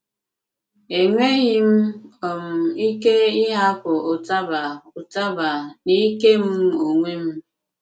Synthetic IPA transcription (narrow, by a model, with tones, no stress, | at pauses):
e˨ŋʷe˦ji˦m̩˦ɔ˨m̩˨i˦ke˦i˦ɦa˦pɔ˨o˨ta˦ba˨u˨ta˦ba˨ni˦ke˦m̩˦o˨ŋʷe˦m̩˦